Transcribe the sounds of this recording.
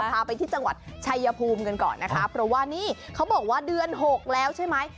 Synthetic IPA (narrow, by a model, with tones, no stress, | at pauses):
pʰaː˧pa˧jt̪ʰiː˥˩t͡ɕa˧ŋwa̰˨˩t̪̚t͡ɕʰa˧jːa˧pʰuː˧mka˧nkɔ̰ː˨˩nːa˦˥kʰa˦˥pʰɾɔ˦˥waː˥˩niː˥˩kʰa˦˥wbɔː˨˩k̚waː˥˩dɯ˧ənɦo˨˩k̚lɛː˦˥wt͡ɕʰa˥˩jma˦˥j